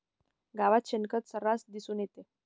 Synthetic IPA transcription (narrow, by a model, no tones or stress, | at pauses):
ɡaʋat̪ɕenkət̪səɾasd̪isuːnjet̪e